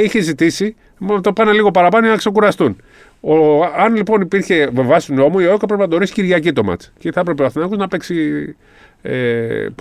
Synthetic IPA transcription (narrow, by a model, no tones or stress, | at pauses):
içezit̪isi | mɐt̪opɐneliɣo̞pɐɾɐpɐnoinɐkse̞kuɾɐst̪un | oɐnlipo̞nipiɾçe̞vevɐsi̥t̪uno̞muiookɐpɾe̞pinɐt̪oɾisi̥ciɾʝɐcit̪o̞mɐ̰t͡sceθɐpɾe̞peɐθinɐkoznɐpe̞ksi | e